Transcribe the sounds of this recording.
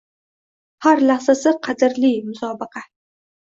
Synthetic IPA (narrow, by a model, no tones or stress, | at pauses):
haɾlahsasɪqʰɑd̪ɪɾlimʊsɒːbɪqʰɑ